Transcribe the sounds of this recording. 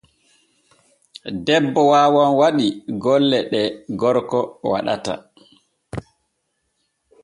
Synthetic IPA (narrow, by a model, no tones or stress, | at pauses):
dɛbːɔwaːwɔnwaɗiɡɔlːɛɗɛɡɔɾkɔwa̰ɗa̰ta̰